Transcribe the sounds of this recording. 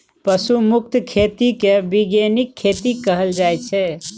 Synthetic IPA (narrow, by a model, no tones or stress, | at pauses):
pəsumuk̚t̪kʰet̪ikebiɡenikʰːet̪ikəɦəld͡ʒajt͡ʃʰɛ